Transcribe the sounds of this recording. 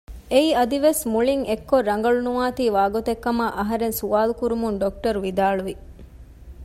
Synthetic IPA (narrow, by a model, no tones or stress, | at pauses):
eiɐd̪iʋesmuɭiŋekːorɾːɐŋɡɐɭunuʋaːt̪iːʋaːɡot̪ekːɐmaʔɐɦɐɾensuʋaːlukuɾumunɖok̚ʈɐɾuʋid̪aːɭuʋi